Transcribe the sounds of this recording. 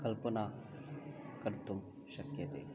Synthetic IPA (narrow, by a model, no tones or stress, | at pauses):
kəlpəna | kɐɾt̪um | ʃɐkjət̪ḛ